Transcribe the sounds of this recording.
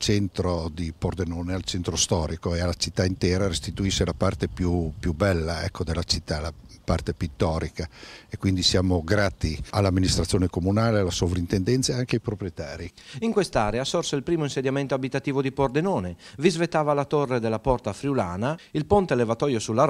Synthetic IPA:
t͡ʃɛnt̪ɾod̪ipord̪enoːnealt͡ʃɛnt̪ɾost̪ɔːɾikoealːat͡ʃit̪ːaint̪ɛːɾaɾest̪it̪uiʃːelapart̪epjupjubɛlːaɛ̰kːod̪elːat͡ʃit̪ːalapart̪epit̪ːɔːɾikaekːwind̪isjaːmoɡɾaːt̪ialːamːinist̪ɾat̪sːjoːnekomunaːlealasovɾint̪end̪ɛnt̪saeaŋkeajpɾopɾijet̪aːɾiiŋkwest̪aɾeasorseilpɾiːmoinsed̪jament̪oabit̪at̪iːvod̪ipord̪enɔːnevizvet̪ːaːvalat̪orːed̪elːapɔrt̪afɾjiulaːnailpont̪elevat̪ɔːjosulːaɾ

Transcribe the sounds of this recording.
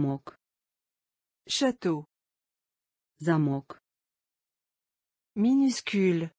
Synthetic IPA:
mɔk | ʃat̪o | zamɔk | minyskʲyl

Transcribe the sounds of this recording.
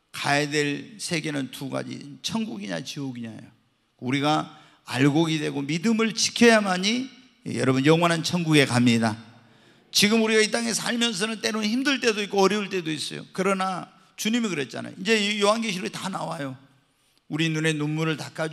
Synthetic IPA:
kajadwe̞ɭsʰe̞ɡe̞nɯntuɡa̰d͡ʑḭt͡ɕʰʌŋɡuɡiɲa̰t͡ɕioɡiɲa̰jo̰ | uɾiɡa | a̰ɭɡoɡidwe̞ɡomidɯmɯɭt͡ɕi̥kʰjʌjamaɲi | jʌ̰ɾʌbunjʌŋwʌnɦant͡ɕʰʌnɡuɡe̞kamɲida | t͡ɕiɡɯmuɾiɣait͈aŋe̞sʰaɭmjʌns̬ʰʌnɯnt͈e̞ɾonçimdɯɭt͈e̞doik͈oʌɾjʌuɭt͈e̞dois͈ʌ̰jo̰kɯɾʌna | t͡ɕuɲimikɯɾe̞t̚t͡ɕ͈a̰na̰jo̰ind͡ʑe̞joɦanɡeɕʰiɾoitanawajo | uɾinune̞nunmuɾɯɭtak͈ʰad͡ʑ

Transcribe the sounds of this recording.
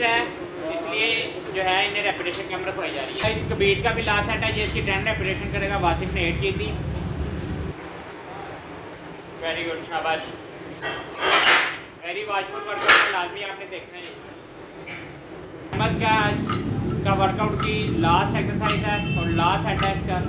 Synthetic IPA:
ɛ | ɪslie | d͡ʒoːɦɛːɪnẽɾɛːpɪʈeːʃənkamɾəkʰʋaːid͡ʒa̰ːɾiɦɛɪskəbiːʈkabʱilaːsɛːʈɛːjeɪskiʈɾɛ̃ɳɖɾɛːpɪʈeːʃənkəɾeːɡaʋaːsɪkʰneeːʈ̚kiːt̪iː | ʋɛːɾiɡʊɖʃʰaːbaːʃ | ʋɛːɾiʋaːd͡ʒʋutʋəɾkaʊʈkilaːzmĩaːpnẽd̪eːkʰnai | mət̪kaaːd͡ʒkaʋəɾkaʊʈkilaːsʈɛksəɾsaːɪzɛːɔːɾlaːsɛːʈɛːɪskaː

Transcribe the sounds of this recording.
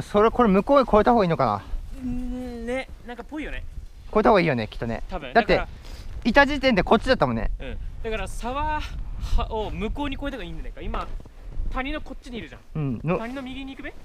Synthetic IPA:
soɾeko̞ɾemɯ̟ko̞ːɲ̟ikʰo̞et̪ahoːɡaiːno̞kana̰ | nenãŋkapːo̞ijonekoet̪ahoɡaiːjonekʲi̥t̪ːo̞nḛt̪ad̪att̪ːe̞ | it̪aʑit̪ẽnd̪e̞ko̞t͡ɕːid̪at̪ːamõ̞nːḛɯ̟̃d̪̥akaɾasaβahaomɯ̟ko̞ːɲ̟ikoet̪ahoɡaĩːɲd͡ʑanãkaima | t̪aɲ̟ʲinoko̞t͡ɕːiɲiɾɯ̟ʑã̰ɯ̟̃ɴnoaɲinomʲiɡʲiɲ̟ikɯbe

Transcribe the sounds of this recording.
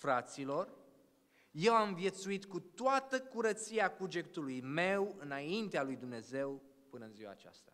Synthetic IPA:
fɾat̪silo̞r | je̞wamvje̞t̪suit̪kut̪oat̪əkuɾət̪sieakud͡ʒe̞k̚t̪ulujme̞wɨnaint̪ealujd̪umne̞ze̞w | pɨnəɨnziwa̰ːt͡ʃa̰st̪a

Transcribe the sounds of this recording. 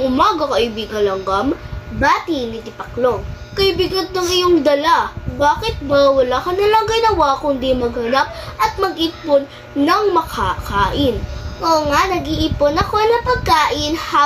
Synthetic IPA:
ŋʔʊmaːɡɐkɐʔɪbiːɡɐŋlɐŋɡɐmbat̪inɪt̪ɪpɐkloŋ | kɐɪbiːɡɐnt̪oŋɪjoŋd̪ɐlabaːkɪt̪̚bɐwɐlakɐnɐlɐŋɡɐjnɐwakʊnd̪imɐɡhɐnap̚ʔɐt̪̚mɐɡʔipʊnː | ɐŋmɐkʰakaːʔɪnʔoŋanɐɡiʔiːponɐko̞nɐpɐɡ̚kaːʔɪnha

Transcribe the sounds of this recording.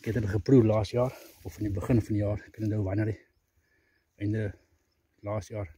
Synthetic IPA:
kɛtətəχəprurlɑːsjɑːrɔfɐnibəχənfɐndijɑːrkənədəwvɐnəɾi | əjndə | lɑːstjɑːr

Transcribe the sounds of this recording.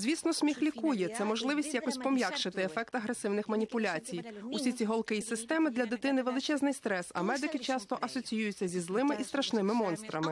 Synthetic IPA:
zʲʋʲisnɔsʲmʲixlʲikujɛt̪sɛmɔʒlˠɪʋʲisʲtʲjakɔsʲpɔmʲjakʃɪt̪ɪefɛk̚t̪ɐɦɾesɪwnɪxmɐnʲipʊlʲat͡sʲijusʲit͡sʲiɦɔlˠkɪisɪst̪ɛmɪd̪lʲɐd̪ɪt̪ɪnɪʋelˠɪt͡ʃɛznɪjst̪ɾɛsɐ̰mɛd̪ɪkɪt͡ʃɑst̪ɔʔɐsɔt͡sʲijujʊtʲt͡sʲːɐzʲizlˠɪmɪʔist̪ɾɐʃnɪmɪmɔnst̪ɾɐmɪ

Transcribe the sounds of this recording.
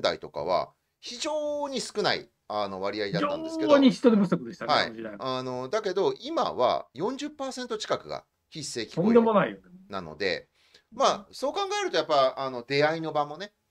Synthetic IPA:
d̪a̰it̪o̞ka̰β̞a̰ | çiʑoːɲ̟isɨ̥kɯ̟naḭ | ano̞βaɾʲiaid̪atoːã̰nd̪eskedoɲ̟içi̥t̪od̪ebɯsokɯd̪eɕi̥t̪ahaaḭiaano̞d̪ake̞d̪o̞ima̰βa̰jõ̞ɲ̟d͡ʑɨpːaːsẽ̞nt̪o̞t͡ɕi̥kakɯ̟ɡa̰ | çisːe̞ːkʲi̥koid̪emonaijonenano̰d̪e̞̰ | maso̞ːkãŋɡae̞ɾɯ̟t̪o̞japːaano̞d̪e̞aino̞bamo̞ne̞

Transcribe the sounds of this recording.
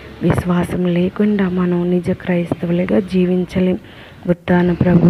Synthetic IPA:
ʋiʃʋaːsɐmleːkuɳɖaːmɐnɐmnid͡ʒɐkɾɐjist̪ʋɐlɐɡaːd͡ʒiːʋiɲt͡ʃɐli | ut̪ːaːnɐpɾɐbʱu

